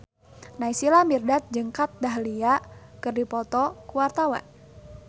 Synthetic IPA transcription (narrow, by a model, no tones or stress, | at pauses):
naisilamirdat̪̚d͡ʒəŋkat̪̚daɦliakɨrdipɔt̪ɔkuwart̪awa̰n